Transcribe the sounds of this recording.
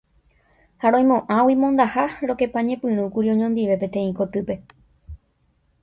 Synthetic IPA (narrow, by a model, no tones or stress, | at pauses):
haɾõ̞j̃mõ̞ʔãwimõnd̪ahaɾo̞ke̞pãɲẽ̞pɨ̃ɾ̃ũkuɾioɲõnd̪iʋe̞pẽ̞t̪ẽ̞ĩko̞t̪ɨpe̞